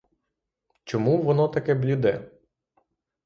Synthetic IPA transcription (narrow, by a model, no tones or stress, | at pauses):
t͡ʃɔmuʋɔnɔt̪ɐkɛblʲid̪ɛ